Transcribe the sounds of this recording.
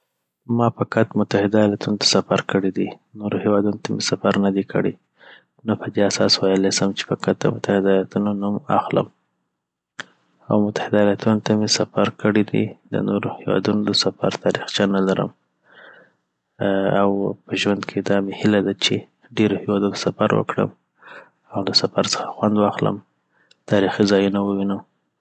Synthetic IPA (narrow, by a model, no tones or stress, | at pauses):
mɑpəkat̪mʊt̪ahɪd̪ajɑlat̪unot̪ʰḁsafaɾkəɽid̪inoɾohewɑd̪unot̪amesafaɾnad̪ekʰə̰ɽe | napəd̪easɑswajəlasəmt͡ʃe̥pəkat̪̚d̪ə̰mʊt̪ahɪd̪ajlat̪unonuma̰xlə̰m | a̰wmʊt̪ḁhɪd̪ajlat̪unot̪amesafaɾkəɽid̪ḭd̪ə̰noɾohewɑ̰d̪unod̪əsafa̰ɾt̪ʰɑɾixd͡ʒanalaɾə̰m | awpəʒwand̪kʰed̪ɑmehilad̪at͡ʃe | ɖeɾohewɑd̪ut̪ḁsafaɾwə̰kɽə̰m | awlasafaɾsə̥xḁxwand̪wɑxlə̰m | t̪ɑɾixizɑjunawəwinəm